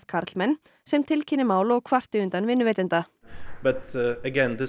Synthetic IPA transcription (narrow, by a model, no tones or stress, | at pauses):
t̪kʰaɾt̪lmɛnː | sɛmt̪ʰɪlcʰɪnːɪmaːwlɔɣkʰvar̥t̪ɪʏnt̪anvɪnːʏvɛːt̪ɪnt̪abɛt̪ɛɡɛnt̪ɪ